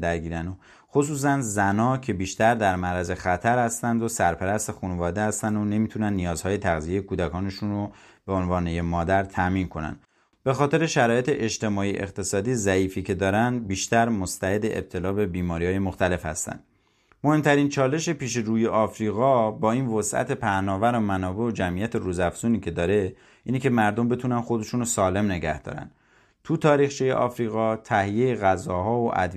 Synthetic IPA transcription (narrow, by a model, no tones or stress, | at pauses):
d̪æɾɟiːɾæno | xos̬uːs̬ænd̪zænɒːcʰe̞biːʃt̪æɾd̪æɾmæɾæze̞xæt̪ʰæɾhæst̪ænd̪o̞sæɾpʰæɾæst̪e̞xunevɒːd̪ehæst̪ænd̪o̞ne̞miːt̪ʰunænːijɒːz̥hɒːjet̪ʰæɣzije̞jekʰuːd̪ækʰɒːne̞ʃunro | b̥e̞onvɒːnejemɒːd̪æɾt̪ʰæmiːnkʰo̞næ̰nd̪ | b̥exɒːt̪ʰe̞ɾe̞ʃæɾɒːje̞t̪eʔet͡ʃt̪e̞mɒːiʔe̞̰qt̪ʰe̞sɒːd̪izæiːfiːcʰe̞d̪ɒːɾænd̪biːʃt̪æɾmost̪æhe̞d̪eʔḛb̚t̪ʰe̞lɒːbe̞biːmɒːɾihɒːje̞mo̞xt̪æle̞fhæ̰st̪æ̰nd̪ | mo̞he̞mt̪ʰæɾiːnt͡ʃʰɒːle̞ʃepiːʃe̞ɾuːjeʔɒːfɾiːɣɒːbɒːiːnvosʔæ̰t̪ʰe̞pʰæhnɒːvæɾomænɒːbe̞od͡ʒæmʔijæt̪ʰeɾuːzæfz̥uːniːcʰe̞d̪ɒːɾe̞ | ʔiːnicʲe̞mæɾd̪o̞mbe̞t̪ʰuːnænxo̞d̪e̞ʃunosɒːle̞mne̞ɡæ̰hd̪ɒ̰ːɾæ̰nd̪ | t̪ʰut̪ʰɒːɾiːxt͡ʃʰijḛʔɒːfɾiːɣɒːt̪ʰæhijejeɣæzɒːɦɒːoʔæ̰d̪